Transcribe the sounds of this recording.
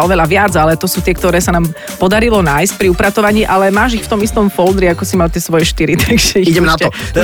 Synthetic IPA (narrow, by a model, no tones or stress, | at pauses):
ɔʋɛʎaʋɪad͡zalɛt̪ɔsuːt̪ɪɛkt̪ɔɾɛːsanaːm | pɔd̪aɾilɔnaːjsc̚pɾiupɾat̪ɔʋaɲiːʔalɛmaːʒixft̪ɔmist̪ɔmfɔld̪ɾiakɔsimalt̪ɪɛsʋɔjɛʃt̪iɾit̪ʰaɡʒ̥ɛiiɟɛmnatɔɛ